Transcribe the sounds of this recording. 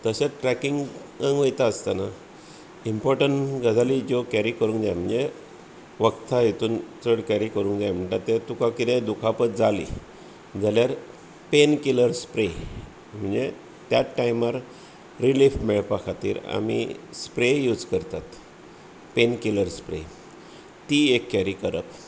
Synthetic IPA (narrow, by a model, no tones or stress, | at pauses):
t̪əsaʈɾɛkiŋɡəŋɡʋəjt̪aəst̪ana | impɔɾʈəɳɡʱəd͡z̪alid͡ʑokæɾikəɾũːŋkd̪jajm̤əɳd͡ze | ʋəkt̪ʰaɦet̪uːnt͡səɽkæɾikəɾũːŋkd̪jajm̤əɳʈ̪at̪ːet̪ukakit̪ɛ̃d̪ukʰapət̪d͡zalḭ | d͡zaljaɾ | penkiləɾspɾe | m̤əɳd͡ze | t̪jaʈːaiməɾ | ɾilifʈmeɭpakʰat̪ḭːɾa̰mḭspɾejud͡zkəɾt̪at̪ | penkiləɾspɾḛ | t̪iekːæɾikəɾək